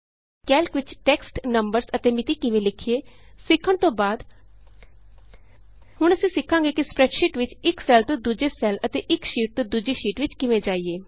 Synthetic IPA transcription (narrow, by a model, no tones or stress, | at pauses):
kɛːlkʋɪt͡ʃʈɛːksʈnəmbəɾsət̪eːmɪt̪iːkɪʋẽːlɪkʰieː | sɪkʰːəɳt̪õːbaːd̪ | hʊɳ̃əsĩːsɪkʰːãːŋɡeːkɪspɾɛːʈʃɪːʈʋɪt͡ʃɪksɛːlt̪õːd̪ud͡ʒeːsɛːlət̪eːʔɪkʃiːʈ̚t̪õːd̪ud͡ʒiːʃiːʈʋɪt͡ʃkɪʋẽːd͡ʒaːieː